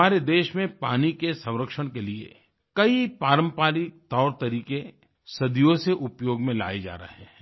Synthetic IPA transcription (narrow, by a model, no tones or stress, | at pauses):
aːɾed̪eːʃmẽpaːnikesɐ̃w̃ɾəkʃəɽ̃keliḛ | kɐipaːɾə̃mpaːlit̪ɔːɾt̪ɐɾiːke | sɐd̪ijõseʔʊpjoːɡmẽla̰ːed͡ʒa̰ːɾə̰ɦɛː